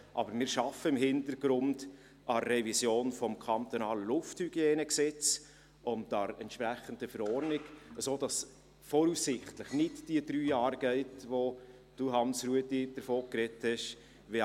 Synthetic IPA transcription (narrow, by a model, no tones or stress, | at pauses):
ʔɑ̰bəɾmɪːɾʃɑfəɪmhɪntəɾɡɾʊnd | ʔɑːɛvisjoːnfɔmkʰɑnt̪ɔnɑːləlʊfthyɡ̥jɛːnəksɛt͡s | ʊndɑɾɛ̰ntʃpɾæχəndəfəɾɔɾnɪɡəsoːd̥ɑs | fɔɾusːɪχtləχnɪtd̥iəd̥ɾyːjɑːɾɡ̥ɛɪtʋo | d̥uɦɑnsɾuətid̥əɾfoːkrɛthɛʃ | ʋe